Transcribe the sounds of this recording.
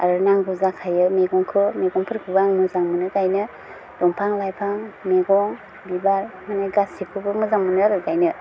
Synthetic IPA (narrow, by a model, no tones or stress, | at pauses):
a̰ɾɯnaŋɡuzakʰajɯmeɡɔŋkʰɯmeɡɔŋpʰɯɾkʰubaŋmɯzaŋmɯnɯkajnɯ | dɔŋpʰaŋlajpʰaŋmeɡɔŋ | bibaɾmanajɡasipʰɯbɯmɯzaŋmɯnɯaɾɯkajnɯ